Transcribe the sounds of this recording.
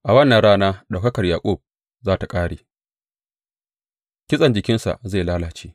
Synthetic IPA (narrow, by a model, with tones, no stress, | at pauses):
ʔa˨wɐ˦nːɐ˨nɽaː˦naː˦ɗa˨kɐ˦kɐ˨rjaː˨kʷʼʊ˦˨b̚ | zaː˦ta˨kʼaː˦ɽeː˨ | kʲɪ˦sʼɐ˨nd͡ʒɪ˨kʲɪ˦nsa̰˨ʔze˦˨laː˦laː˨t͡ʃeː˦